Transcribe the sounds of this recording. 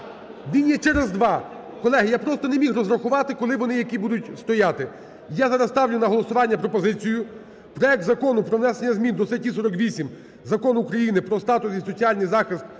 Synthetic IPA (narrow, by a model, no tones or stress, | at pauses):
nʲinʲjɛt͡ʃɛɾezd̪ʋɑ | kɔlˠɛɦɪjapɾɔst̪ɔnemʲixrɔzɾɐxʊʋɑt̪ɪkɔlˠɪʋɔnɪjɐkibud̪ʊtʲst̪ɔjɑt̪ɪ | jazɑɾɐzst̪ɑwlʲʊnɐɦɔlˠɔsʊʋɑnʲːɐpɾɔpɔzɪt͡sʲijʊ | pɾɔjɛk̚t̪zɐkɔnʊpɾɔʋnɛsenʲːɐzmʲind̪ɔsɛtʲisɔɾɔkʋʲisʲim | zɐkɔnukɾɐjinɪpɾɔst̪ɑt̪ʊsisɔt͡sʲiɑlʲnɪjzɑxɪst̪̚